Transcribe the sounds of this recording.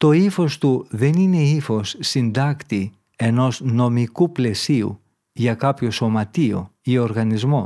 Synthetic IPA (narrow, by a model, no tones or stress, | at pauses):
t̪o̞ifo̞st̪uðe̞nine̞ifo̞sːind̪ɐkt̪i | e̞no̞zno̞mikuple̞siṵ | ʝɐkɐpço̞so̞mɐt̪io̞̰io̞ɾɣɐnizmo̞